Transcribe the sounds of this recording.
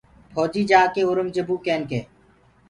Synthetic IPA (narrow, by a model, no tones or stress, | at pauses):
pʰoːd͡ʒiːd͡ʒaːkeːʊɾəmd͡ʒəbuːkeːnkeː